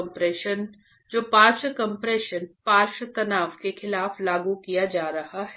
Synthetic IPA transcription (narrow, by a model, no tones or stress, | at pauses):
mpɾeːʃən | d͡ʒoːpaːɾʃəkɐ̃mpɾeːʃənpaːɾʃət̪ɐnaːfkexɪlaːflaːɡukijad͡ʒaːɾɐhaɦɛ